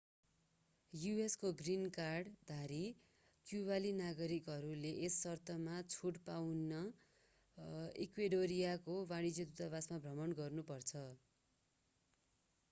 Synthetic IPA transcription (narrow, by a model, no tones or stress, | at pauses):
jueskoɡrinkarɖd̪ʱaɾi | kjubalinaɡʌɾikɦʌɾuleʔesːʌrt̪ʰʌmat͡sʰuʈpawnʌ | ḭkweɖoɾijakobaɽ̃id͡zʌd̪ut̪aβasmabʱrʌmʌnɡʌrnupʌrt͡sʰʌ